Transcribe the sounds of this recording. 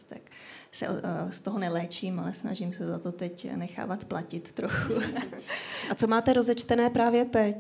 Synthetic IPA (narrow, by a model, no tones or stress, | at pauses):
t̪aksɛ̰ʔost̪oɦonɛlɛːt͡ʃiːmalɛsna̰ʒimsɛzat̪o̞t̪ɛcnɛxa̰ːvat̪placɪt̪ːɾoxu | at͡so̞maːt̪ɛɾo̞zɛt͡ʃt̪ɛnɛːpɾaːvjɛt̪ɛc